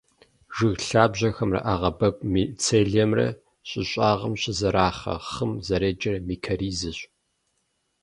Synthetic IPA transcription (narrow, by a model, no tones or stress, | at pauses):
ʒɨɣɬaːbʑɐxɐmrɐ̰ʔaːʁɐbɐkʷʼmit͡sʰeːɮɛmrɐ̰ | ɕʼɪɕʼaːʁɐmɕʼɪzɐɾaːχɐ̰χɨmzɐɾeːd͡ʒʼɐrɐmiːkʰɐɾiːzɨɕʼ